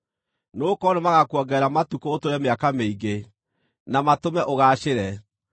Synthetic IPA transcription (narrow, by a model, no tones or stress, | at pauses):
noːkɔnemaɣakwɔɡɛɾamatukootoɾɛmeakameiɡe | namatomɛʔoɣaːʃeɾɛ